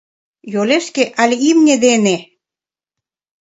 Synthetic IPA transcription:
joleʃkeʔɑlʲimnʲed̪ene

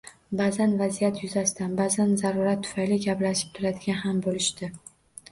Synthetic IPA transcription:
bazanvazijat̪ʰjʊzasɪd̪anbazanzaɾʊɾat̪ʰːʊ̥fajlɪɡʲaplaʃɪ̥p̚t̪ʰʊɾad̪ɪɡʲanɦambolɪʃt̪ɪ

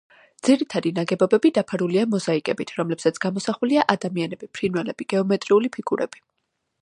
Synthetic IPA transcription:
d̪z̥iɾit̪ʰad̪inaɡɛbɔbɛbid̪apʰaɾuliamɔzaikʼɛbit̪ʰɾɔmlɛbsat̪sʰɡ̥amɔsaχuliaʔad̪amianɛbipʰɾinwɛlɛb̥iɡ̥ɛɔmɛt̪ʼɾiulipʰiɡʰuɾɛ̰b̥i

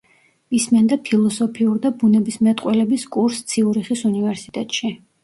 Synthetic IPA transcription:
ismɛnd̪apʰilˠɔsɔpʰiuɾd̪abunɛbismɛt̪ʼqʼwɛlɛbiskʼuɾst̪sʰiuɾiχisunivɛɾsit̪ʼɛt̪ʼʃi

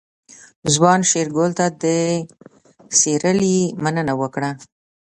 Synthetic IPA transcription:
zwɑnʃeɾɡolt̪ad̪ə | seɾəlimanənawəkɽa

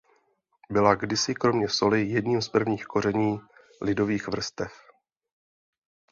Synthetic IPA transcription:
bɪlaɡdɪsɪkɾo̞mɲɛso̞lɪjɛdɲiːmspr̩vɲiːxko̞rɛɲiː | lɪdo̞viːxvr̩st̪ɛf

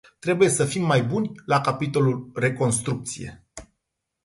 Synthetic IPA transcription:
t̪ɾe̞buje̞səfimːajbunʲlakapit̪o̞lulre̞ko̞nst̪ɾuk̚t̪sije̞̰

